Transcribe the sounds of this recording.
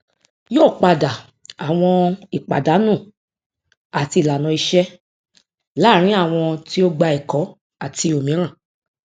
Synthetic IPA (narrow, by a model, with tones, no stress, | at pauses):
joː˦˨k͡pa˨da˨ | a˨w̃ɔ̃˧i˨k͡pa̰˨da˨˦nũ˦˨ | a˨ti˧i˨la˨nɔ̃˧i˧ʃɛ˦ | la˦˨ɾ̃ĩ˦a˦˨w̃ɔ̃˧ti˦o˦ɡ͡ba˧i˨kɔ˨˦ | a˨ti˧o˨mĩ˨˦ɾ̃ã˦˨